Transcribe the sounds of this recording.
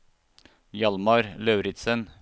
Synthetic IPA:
jɑlmɑɾlœʉɾɪt̪sən

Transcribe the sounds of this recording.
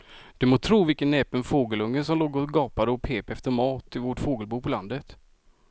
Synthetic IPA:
d̪̥ɵmoːt̪ʰɾuːvɪlkənːɛːpənfoːɡəlɵŋːənsɔmloːɡɔsɡɑːpad̪əɔpʰeːpɛft̪əɾmɑːt̪ɪvoːʈfoːɡəlbuːpʰɔland̪ət̪

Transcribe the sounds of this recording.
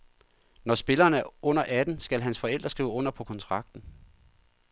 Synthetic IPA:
nɒsb̥e̝lɐːnæɐɔ̽n̰ɐʔæd̥n̩sɡ̥ælɦænsfɒ̽el̰d̥ɐsɡ̥ʁḭːʊəɔ̽n̰ɐpʰɒ̽kʰɒ̽nt͡sʰʁɑ̈ɡ̥̚d̥n̩

